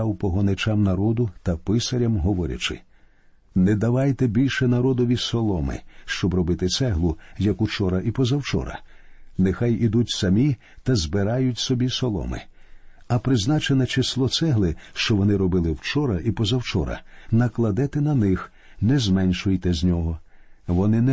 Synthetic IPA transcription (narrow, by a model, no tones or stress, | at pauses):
awpɔɦɔnɪt͡ʃamnɐɾɔd̪ʊt̪ɐpɪsɐɾʲɐmɦɔʋɔɾʲɐ̰t͡ʃɪ̰ | nɛd̪ɐʋɑjt̪ɛbʲilʲʃɛnɐɾɔd̪ɔʋʲisɔlˠɔmɪ̰ʃt͡ʃɔbrɔbɪt̪ɪsɛɦlˠʊjɐkʊt͡ʃɔɾɐʔipɔzɐwt͡ʃɔ̰ɾɐ̰nɪxajid̪utʲsɐmʲi | t̪ɐzbɪɾɑjʊtʲsɔbʲisɔlˠɔ̰mɪ̰ɐpɾɪznɑt͡ʃenɛt͡ʃeslˠɔt̪sɛɦlˠɪʃt͡ʃɔʋɔnɪɾɔbɪlˠɪwt͡ʃɔɾɐʔipɔzɐwt͡ʃɔ̰ɾɐ̰nɐklˠɐd̪ɪt̪ɪnɐnɪx | nɛzmɛnʲʃʊjt̪ɛzʲnʲɔɦɔʋɔnɪnɛ